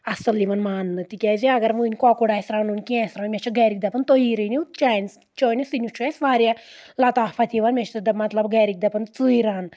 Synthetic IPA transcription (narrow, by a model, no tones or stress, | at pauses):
ɐsɐlːimɐnmaːnːɨt̪ikʲɛziɐɡɐɾʋuːnʲkɔkoɽaːsɾaːnunʲkiɛ̃sɾanmʲet͡ʃʰɐɡɛːɾik̚d̪ɐpɐnt̪ojiɾɨniut͡ʃaːns | t͡ʃoːnʲisinʲut͡ʃʰuɛsʋaːɾʲjalɐt̪aːpʰɐt̪ʰiʋanmʲet͡ʃʰt̪ɐd̪ɐmɐt̪lɐbɡɐɾik̚d̪ɐpɐnt͡sɨiɾaːn